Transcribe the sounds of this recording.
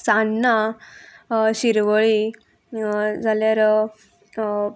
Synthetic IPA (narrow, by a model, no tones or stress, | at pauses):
sanːa | ɕiɾʋəɭi | d͡zʱaljaɾ